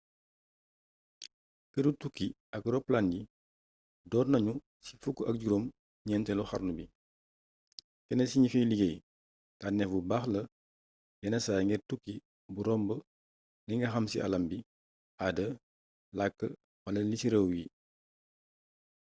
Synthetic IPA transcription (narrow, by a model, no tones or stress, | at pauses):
kədutukːi | ɐkrɔplandi | dɔːrnɐɲu | si̥fukːʔɐk̚ɟuɾom | ɲɛntɛluxɐ̰ɾnubi | kɛnɛsiɲifijliɡej | tanɛfubaːxlɐ | jɛnɐsaːjŋɡɛrtukːi | buɾɔmbə | liŋɡɐxɐmsḭʔɐ̰lɐmbi | adə | lakːə | wɐlɐlisiɾəwji